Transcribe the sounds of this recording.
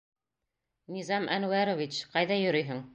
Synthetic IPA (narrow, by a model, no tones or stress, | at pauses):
nizɑmʔænwæɾovit͡ɕqɑjðɑjɵ̆ɾɵjɦɘŋ